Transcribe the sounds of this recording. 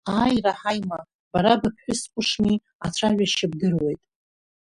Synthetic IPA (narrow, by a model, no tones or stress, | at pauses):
aːjraħajma | b̥aɾabapʰħʷᶣʊspʷʼʊʂmi | at͡ɕʷʰaʒʷᶣaʃab̚dɨrwe̞jtʼ